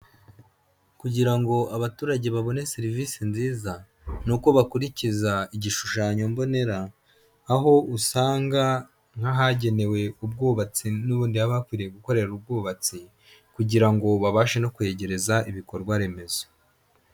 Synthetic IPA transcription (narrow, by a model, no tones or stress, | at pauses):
kuɟiɾaŋɡo̞aβatuːɾaɟe̞βaβo̞ne̞siɾiviːsinziːza | nuko̞βakuɾicizaiɟiʃuʃaːɲo̞mbo̞ne̞ɾaː | ɦo̞usaːŋɡa | ŋ̥haɦaɟe̞ne̞we̞ub̚ɡuːβat͡sinuβuːndiaβakwiːɾijeɡuko̞ɾe̞ɾub̚ɡuːβat͡si | kuɟiɾaŋɡo̞βaβaːʃeno̞kwe̞ːɟe̞ɾe̞zaiβiko̞ɾɡwaɾe̞me̞z̥o̥